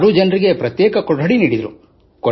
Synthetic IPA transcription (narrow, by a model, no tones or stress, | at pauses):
ɽud͡ʒɐnɾiɡe̞pɾɐt̪jɛːkɐkoɖɦɐɽiniːɽid̪ɾṵ | kɔ